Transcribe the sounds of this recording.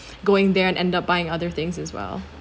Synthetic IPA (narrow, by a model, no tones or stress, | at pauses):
ɡoʊɪ̃ŋðə˞ɨ̃nʔɛ̃ndʌp̚b̥aɪɪ̃ŋʌðə˞θɪ̃ŋzɨzwɛ̰lˠ